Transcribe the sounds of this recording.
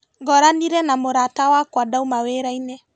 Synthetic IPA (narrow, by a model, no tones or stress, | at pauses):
ɡɔɾaniɾɛnamoɾatawakwadaumaweɾainɛ